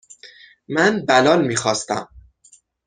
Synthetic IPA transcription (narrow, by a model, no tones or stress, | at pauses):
mænbælɒːlmiːxɒːst̪æ̰m